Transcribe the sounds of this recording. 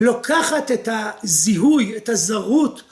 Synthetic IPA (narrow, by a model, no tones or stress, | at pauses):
lokʰaχat̪etaziɦujetazaʁut